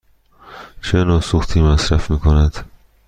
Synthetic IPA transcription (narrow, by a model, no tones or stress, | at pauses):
t͡ʃʰenɒːsuxt̪ʰiːmæsɾæfmiːkʰonæd̪̥